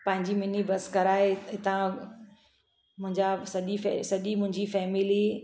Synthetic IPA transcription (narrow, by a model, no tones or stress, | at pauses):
pɐ̃ɦɪ̃ɲd͡ʑimɪnibɐskɐɾaːeɦɪt̪ã | mʊ̃ɦɪ̃ɲd͡ʑasɐʄifɛ̰sɐʄimʊ̃ɦɪ̃ɲd͡ʑifɛːmɪli